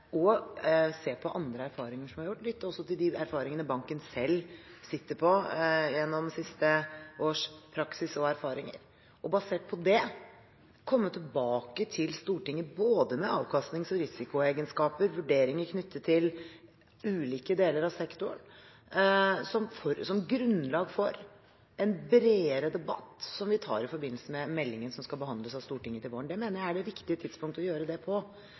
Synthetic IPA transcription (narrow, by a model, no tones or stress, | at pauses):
ʔɔ | seːpʰɔʔɑnd̪ɾəæɾfɑːɾɪŋəʂɔmhɑɾjʊʈːlɪt̪ːəɾɔsːɔt̪ɪld̪ɪæɾfɑːɾɪŋənəbɑŋkənsɛlːsɪt̪ːəɾpʰɔjɛnːɔmsɪst̪əʔoːʂpʰɾɑksɪsɔæɾfɑːɾɪŋə̰ɾ | ɔbɑseːʈ̚pʰɔd̪ɛ | kʰɔmːət̪ʰɪlbɑːkət̪ʰɪlst̪uːʈɪŋːəboːd̪əmɛɑːʋkʰɑst̪nɪŋsɔɾɪsɪkʊeːɡənskɑːpəɾʋʉɖeːɾɪŋəɾkʰnʏt̪ʰːətt̪ʰːɪl | ʉːliːkəd̪eːləɾɑʋsɛkt̪ʊəɳ | sɔmfɔɾsɔmɡɾʉnlɑːɡfɔɾ | ɛnbɾeːəɾəd̪ɛbɑ̰t̪ːsɔmʋɪt̪ʰɑ̰ːɾɪfɔɾbɪnːl̩səmɛmɛlːɪŋənsɔmskɑlbəɦɑnd̪ləsɑʋst̪uːʈɪŋːət̪ɪlʋoːəɳɖ̪ɛmeːnəɾjæɪæɖɛʋɪkt̪ɪət̪ʰɪd̪spʊŋkt̪ɔjøːɾəd̪ɛpʰɔ